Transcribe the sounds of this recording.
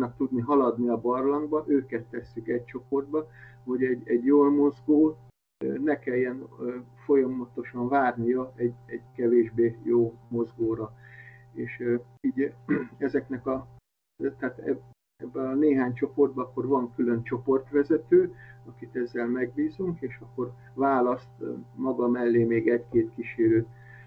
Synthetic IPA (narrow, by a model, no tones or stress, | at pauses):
nɒk̚t̪ud̪niɦɒlɒd̪niɒbɒrlɒŋɡbɒʔøːkɛt̪ːɛsːykɛɟ̚t͡ʃo̞po̞rd̪̚bɒ | ho̞ɟɛɟɛɟjoːlmo̞zɡoː | nɛkɛjːɛnː | fo̞jɒmɒt̪o̞ʃɒɱvaːrnijɒɛɟɛɟkɛveːʒbeːjoːmo̞zɡoːɾɒeːʃ | iːɟɛzɛknɛkɒ | t̪aːt̪ɛ̰ | ɛbːɛɒneːɦaːɲt͡ʃo̞po̞rd̪bɒɒkːo̞rvɒŋkylø̞nt͡ʃo̞po̞rt̪ʋɛzɛt̪øːɒkit̪ɛzːɛlmɛɡ̚biːzuŋkeːʃɒkːo̞r | vaːlɒst̪mɒɡɒmɛlːeːmeːɡɛɟkeːt̪kiʃeːɾøːt̪